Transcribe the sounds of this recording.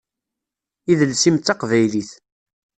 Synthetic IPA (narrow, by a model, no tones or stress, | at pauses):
iðəlsimt̪ːɑqvæjliθ